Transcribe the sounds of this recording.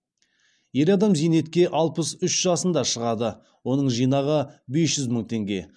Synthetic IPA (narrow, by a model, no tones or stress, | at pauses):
je̞ɾɑd̪ɑmzijne̞t̪kʲe̞ʔɑlˠpəsʏʃʒ̥ɑsənd̪ɑʃəʁɑd̪ə | wo̞nəɴʒijnɑʁəbe̞sʒ̥ʏzməɴt̪ʰe̞ŋɡʲe̞̰